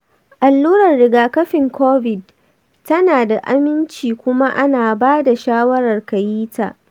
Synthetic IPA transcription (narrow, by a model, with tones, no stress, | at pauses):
ʔa˨lːuː˦ɾɐ˨rɽɪ˨ɡaː˨kɐ˦ɸɪ˨ŋkoː˦vɪ˨d | tɐ˦naː˨da˨ʔa̰˦mɪ˦nt͡ʃiː˨kʷʊ˦ma˦ʔa˦naː˨baː˦da˨ʃaː˦wɐ˦ɾɐ˨rkɐ˨jiː˦ta̰ː˨ʔ